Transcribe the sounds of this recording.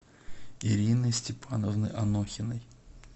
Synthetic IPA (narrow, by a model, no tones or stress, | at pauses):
iɾʲinɨsʲtʲɪpʰanəvnɨjʔɐnoxʲɪnəj